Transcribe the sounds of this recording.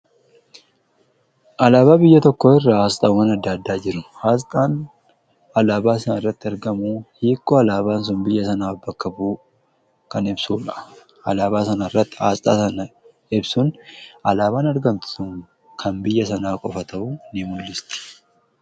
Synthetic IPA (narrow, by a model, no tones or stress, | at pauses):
ʔɐlaːbaːbɪjːɐt̪ɔkːoɪrːaːst̪ʼɐwɐnɐd̪ːaːd̪ːaːd͡ʒɪɾʊhaːst̪ʼaːn | ɐlaːbaːsɐnɪrːɐt̪ːɪɐɾɡɐmuːhiːkːɔɐlaːbaːns̬ʊnbɪjːɐsɐnaːbɐkːɐbuː | kɐnɪbsuːᶑɐ̥ | ɐ̰laːβaːsɐnɐɪrːɐt̪ːɪ̥ha̰ːst̪ʼaːsɐnɐ | ɪbsʊnɐlaːβaːnɐɾɡɐnt̪ʊ̥sʊŋ | kʰɐnbɪjːɐsɐnaːkʼɔfɐt̪ɐbʊnɪmʊlːɪst̪ɪ̥